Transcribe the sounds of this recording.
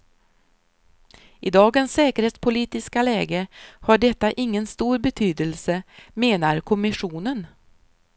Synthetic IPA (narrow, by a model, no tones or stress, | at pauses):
ɪd̪ɑːɡənsːɛːkəɾheːt̪spʰʊliːt̪ɪskalɛːɡəhaɖɛt̪ːaʔɪŋːənst̪uːɾbɛt̪ʰyːd̪əlsəmeːnaɾkʰɔmɪɧuːnən